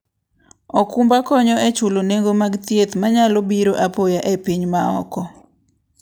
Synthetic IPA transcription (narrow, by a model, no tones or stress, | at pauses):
ɔkumbakɔɲɔet͡ʃuloneŋɡomaɡt̪jet̪maɲalobiɾoʔapojaʔepiɲmaɔ̰kɔ